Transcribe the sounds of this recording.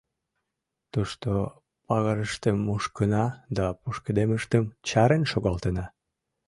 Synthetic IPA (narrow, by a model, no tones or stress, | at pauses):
t̪uʃt̪o | pɑɣəɾəʃt̪emːuʃkənɑd̪ɑpuʃkəd̪eməʃt̪əmt͡ɕɑɾenʃoɣɑlt̪ənɑ